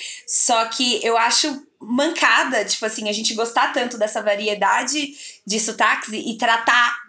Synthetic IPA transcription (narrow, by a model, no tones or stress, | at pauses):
sɔkʰɪewaʃʊ | mɐ̃ŋkʰad̪ɐt͡ʃi̥pʊasĩɐʒẽnt͡ʃɪɡost̪at̪ɐ̃nt̪ʊd̪ɛsɐvaɾied̪ad͡ʒɪd͡ʒɪsʊt̪aksɪʔɪt̪ɾat̪a